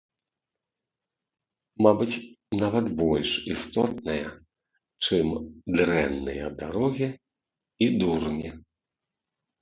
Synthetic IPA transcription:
mabɨt͡sʲ | navɐt̪bɔlʲʂist̪ɔt̪̚nɨjɐ | t͡ʂɨmd̪ɾɛnːɨjɐd̪aɾɔɣʲi | id̪urnʲi

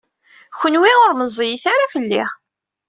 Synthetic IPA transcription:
çʷənwiʁʊɾməzˤːijθaɾafəlːḭ

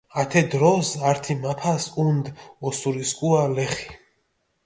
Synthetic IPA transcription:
at̪ʰɛd̪ɾɔsaɾt̪ʰimapʰasund̪ɔsuɾiskʼualɛχi̥

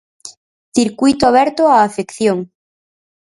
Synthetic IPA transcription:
θiɾkujt̪oaβ̞ɛɾt̪oaːfekθjoŋ

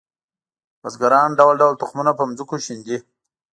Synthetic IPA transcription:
wazɡaɾɑːnɖawalɖawalt̪ʊχmunapəmzukoʃind̪i

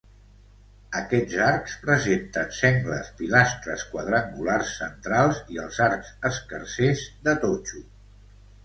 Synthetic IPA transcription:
əkɛzaɾkspɾəzent̪ənsɛŋɡlə̰spilast̪ɾə̰skwəð̞ɾaŋɡularsːənt̪ɾalˠziəlˠzaɾkz̥əskəɾsezd̪ət̪ot͡ʃu

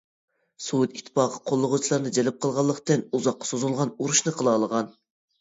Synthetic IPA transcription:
sut̪it̪ʰːɪ̥pɑːqə̥qʰolˠːʊʁʊt͡ʃʰilˠɑɾnɨd͡ʒɛlɪp̚qʰəlˠʁɑlˠːəqt̪ɨnuzɑqːɑ̥sozulˠʁɑnuɾuʃnɨqʰəlˠɑːlˠəʁɑn

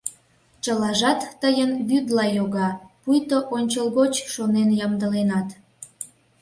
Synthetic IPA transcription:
t͡ɕəlɑʒɑt̪ːəjənβyd̪lɑjoɣɑpujt̪oʔonʲt͡ɕəlɣot͡ɕʃonenjɑmd̪əlenɑt̪

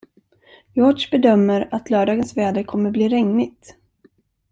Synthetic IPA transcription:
jɔɖʂbɛd̪œmːəɾat̪lœːɖɑːɡənsvɛːd̪əɾkʰɔmːəbliːɾɛŋnɪt̪

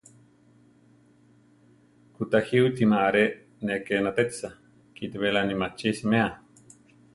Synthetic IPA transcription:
kut̪ahiuit̪imaɾe | nekenat̪et͡sa | kit̪eβelanimat͡ʃismea

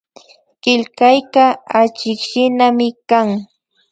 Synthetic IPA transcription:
ɢɪlkajkaat͡ʃɪkʃɪnamɪkaŋ

